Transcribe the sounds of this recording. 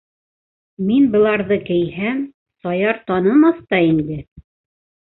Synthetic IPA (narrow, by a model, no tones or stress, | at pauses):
minbɤ̆lˠɑɾðɤkɘ̆jhæm | sɑjɑɾt̪ɑnɤ̆mɑθt̪ɑind̪ɘ